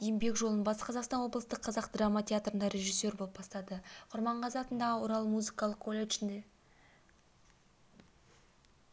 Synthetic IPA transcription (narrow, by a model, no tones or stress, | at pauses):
d̪ejmbe̞kʒolˠənbɑsəqʰɑzɑqst̪ɑnwo̞blˠəst̪əqʰːɑzɑqd̪ramːat̪ʰʲeat̪rənd̪ɑɾʲe̞ʒisːe̞ɾbo̞lˠəp̚bɑst̪ɑd̪əqʰʊɾmɑɴqɑzɑːt̪ənd̪ɑʁəwo̞ɾɑlˠmuzikɑlˠəqkʰːo̞lʲːeʃne